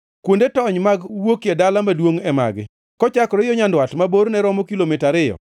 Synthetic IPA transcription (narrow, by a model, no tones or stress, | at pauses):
kwondetɔɲmaɡwokjedalamadwoŋɛma̰ɡɪ̰ | kɔt͡ʃakɔɾɛjɔɲandwatmaboɾnɛɾɔmɔkilomɪtaɾɪjɔ̰